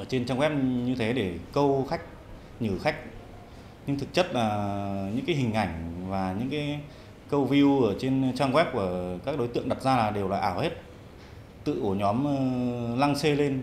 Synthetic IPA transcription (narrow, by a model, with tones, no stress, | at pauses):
ʔəː˧˩t͡ɕe˧nt͡ɕaː˧ŋwɛ˦˥p̚ɲɨ˧t̪ʰe˨˦ɗe˧˩kə˧wxa˦˥jk̟̚ | ɲɨ˧˩xa˦˥jk̟̚ | ɲɨ˧ŋt̪ʰɨ˨˩k̚t͡ɕə˦˥t̚laː˨˩ɲɨ̰˧˥ŋkaː˨˦jɦï˨˩ŋ̟ʔa˧˩jŋ̟vaː˨˩ɲɨ̰˧˥ŋkaː˨˦j | kə˧wvi˧u˧ʔəː˧˩t͡ɕe˧nt͡ɕaː˧ŋɣwɛ˦˥p̚ku˧˩əkaː˦˥k̚ɗo˨˦jt̪ɨ̰˧˨əŋ̚ʔɗa˨˩t̚zaː˧laː˨˩ɗe˨˩wlaː˨˩ʔaː˧˩whe˦˥t̚ | t̪ɨ̰˧˨ʔo˧˩ɲɔ˨˦mə˧la˧ŋse˧le˧n